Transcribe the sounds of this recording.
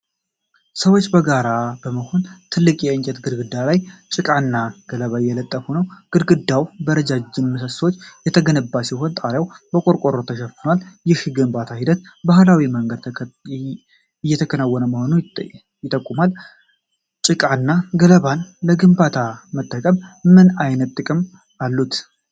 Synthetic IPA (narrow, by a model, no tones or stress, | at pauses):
səwot͡ʃːbəɡaɾabəməho̞nt̪ʰɨlːɨkʼjɛɨɲt͡ʃʼɛt̪ɡɨɾɡɨd̪ːalajt͡ʃʼɨkʼanːaɡ̥ələβajɛlət̪ʼːəfunəwɡ̥ɨɾɡɨd̪ːawbəɾəd͡ʒad͡ʒɪnməsəsot͡ʃːjɛt̪ʰəɡənəbːasiɦo̞nt̪ʼaɾjawbəkʼo̞ɾkʼo̞ɾot̪ʰəʃɛfɨnwaljɪhɡɨmbat̪ʰahid̪ət̪̚bahlawiməŋɡəd̪ | jːɛt̪ʰəkʰənawːɔnəməho̞nu | jɪt̪ʼːəkʼːumal | t͡ʃʼɪkʼanːaɡələβanləɡɨmbat̪ʰamət̪ʼːəkʼəmːɨnajnət̪ʼːɨkʼɨm | alːut̪